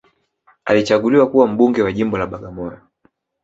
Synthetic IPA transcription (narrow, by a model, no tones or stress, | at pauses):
a̰lit͡ʃaɡuliwakuwam̩ɓuŋɡɛwaʄimbɔlaɓaɡamɔjɔ